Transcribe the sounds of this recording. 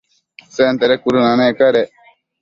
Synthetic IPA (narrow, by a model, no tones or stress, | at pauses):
sent̪eɾekuɾunanekaɾe